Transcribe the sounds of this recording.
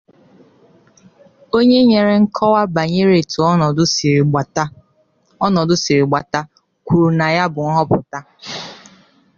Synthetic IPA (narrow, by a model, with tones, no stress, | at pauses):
o˦ɲe˦ɲe˨ɾe˨ŋ̩˦kʰɔ˦wa˦ba˨ɲe˦ɾe˨tʊ˨˦˨ | ɔ˦nɔ˨dʊ˦si˨ɾi˨ɡ͡ba˨ta˦ | kʷu˨ɾu˨na˨ja˦bʊ˨ŋ̩˦ɦɔ˦pʊ˨ta˦